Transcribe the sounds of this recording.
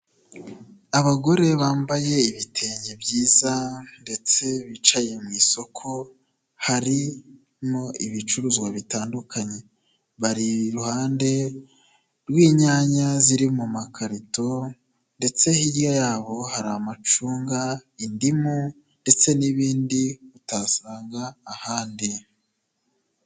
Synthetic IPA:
aβaɡo̞ɾe̞βaːmbaje̞iβitʰe̞ːɲebɟiːzande̞t͡se̞βit͡ʃaje̞mŋiːso̞kʰo̞ | haɾi | mo̞iβit͡ʃuɾuzɡwaβitaːndukʰaɲe̞ | βaɾiɾuhaːnde̞ | ɾwiːɲaːɲaziɾimumakʰaɾito̞ | nde̞t͡se̞hiɾjajaːβo̞haɾamat͡ʃuːŋɡaindimu | nde̞t͡se̞niβiːndiβutasaːŋɡaːhaːndi

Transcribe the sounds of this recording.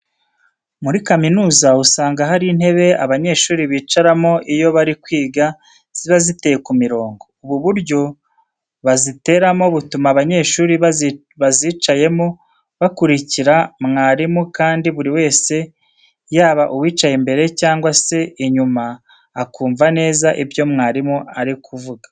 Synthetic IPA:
muɾikaminuːzausaːŋɡaɦaɾin̥he̞βe̞aβaɲe̞ːʃuːɾiβiːt͡ʃaɾamo̞ʔijo̞βaɾikwiːɡa | z̥iβazite̞jekumiɾo̞ːŋɡouβuβuɾɟo̞ | βazite̞ɾamo̞βutumaβaɲe̞ːʃuːɾi | βaziːt͡ʃaje̞mo | βakuɾiciɾamŋaːɾimukaːndiβuɾiwe̞ːse̞ | jaːβaʔuwiːt͡ʃajembe̞ɾe̞caːŋɡwase̞iɲumaː | kuːɱvane̞ːzaʔibjo̞mŋaːɾimuaɾikʰuvuɡḁ

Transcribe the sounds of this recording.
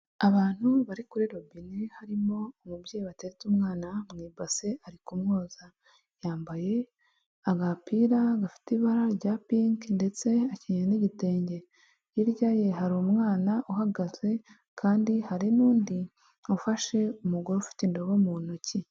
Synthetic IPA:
aβaːn̥huβaɾikuɾiɾo̞binihaɾimo̞ːmubɟejiβateɾet͡sumŋaːnamŋiːbase̞aɾikumŋo̞ːza | jaːmbaje̞ | aɡapiːɾaɡafi̥tiβaɾaɾɟaːpiŋknde̞t͡se̞aciɲeniɟite̞ːɲɟe̞ | jiɾɟaje̞ɦaɾiumŋaːnaʔuɦaɡaze̞ | kʰaːndihaɾinuːndi | ufaʃe̞umuɡoɾofi̥tindoβomunoci

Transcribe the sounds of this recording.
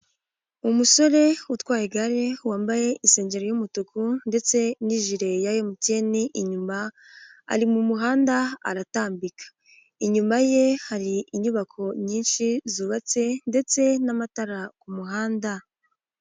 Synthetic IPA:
umuso̞ɾe̞utwaːjeɡaɾe̞waːmbaje̞ʔise̞ːɲɟe̞ɾojumutukunde̞t͡se̞niʒiɾe̞jajomuce̞niʔiɲuma̰ː | ɾimumuɦaːndaa̰ɾataːmbikḁ | iɲumaje̞haɾiiɲuβakʰo̞ɲiːnʃizuːβat͡se̞nde̞t͡se̞namataɾakumuɦaːnda

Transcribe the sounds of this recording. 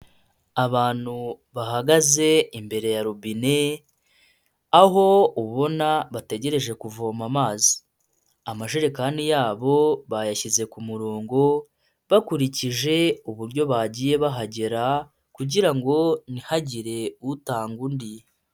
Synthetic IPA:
aβaːn̥hu | βaɦaɡaze̞imbe̞ɾe̞jaɾubine | aɦo̞uβuβo̞naβate̞ɟe̞ɾe̞ʒe̞kuvomamaːzi̥ | amaʒiɾekanijaːβo̞βajaçize̞kumuɾoːŋɡo̞ | βakuɾiciʒe̞uβuɾɟo̞βaɟiːje̞βaɦaɟe̞ɾa | kuɟiɾaŋɡo̞nihaɟiɾe̞utaːŋɡundi

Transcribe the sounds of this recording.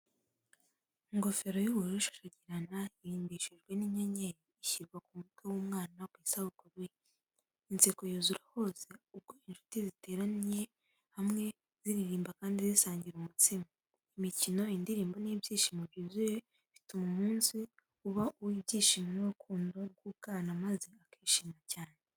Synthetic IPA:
ŋɡo̞fe̞ɾo̞juβuɾuiʃo̥ʃaɟiɾanaiɾiːndiʃiʒɡwe̞niɲeɲejiiçiɾɡwakumutwewuːmŋaːnakwiːsahukoɾuj | int͡seko̞juːzuɾaho̞ːse̞ub̚ɡoinʃu̥tizite̞ːɾanije | hamŋe̞ | z̥iɾiɾiːmbakaːndizisaːɲɟiɾumut͡sima | imicino̞indiɾiːmbonibjiːʃimoβjiːzuje | βitumomuːnsi | uβaʔuwibɟiːʃimonuɾukʰuːndoɾɡukanamaze̞akiʃimacaːne

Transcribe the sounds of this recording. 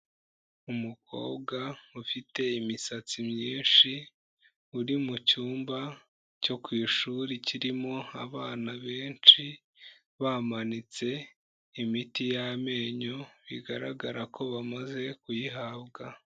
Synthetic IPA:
umukʰo̞̰ːbɡaufite̞imisat͡simɲiːnʃi | uɾimucuːmba | co̞kwiːʃuɾiciɾimo̞aβaːnaβe̞ːnt͡ʃi | βamanit͡se̞ | imitijame̞ːɲo̞βiɡaɾaɡaɾako̞βamaze̞kujiɦaβɡa

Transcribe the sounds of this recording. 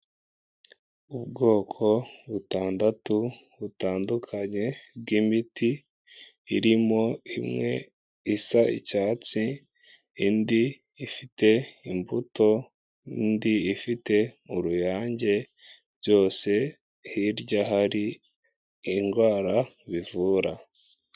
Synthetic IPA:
ubɡo̞ːkʰo̞βutaːndatu | βutaːndukʰaɲe̞b̚ɡimitiː | ɾimo̞imŋe̞̰ | isaḭcaːt͡si | indiː | fite̞imbuto̞ | indiifite̞oɾujaːɲɟe̞ | ɟo̞ːse̞ | hiɾɟaɦaɾi | iŋɡwaːɾa | βivuːɾa

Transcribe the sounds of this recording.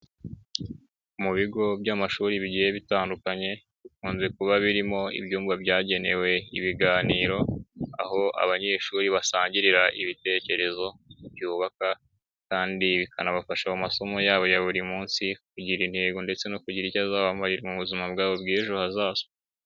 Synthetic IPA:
muβiɡo̞bɟamaʃuːɾiβiɟije̞βitaːndukaɲe̞ | βikuːnze̞kuβaβiɾimo̞ḭbjuːmbabɟaːɟe̞ne̞we̞iβiɡaːniːɾo̞a̰ho̞a̰βaɲe̞ːʃuɾiβasaːɲɟiɾiɾaʔiβite̞ce̞ɾe̞zo̞bjuːβaka | kaːndiβikʰanaβafaʃaumaso̞mo̞jaːβo̞jaβuɾimuːnsikuɟiɾinthe̞ːɡonde̞t͡se̞no̞kuɟiɾicazaːβamaiɾmuβuzimabɡaːβo̞bɡiʒuhazaːzo

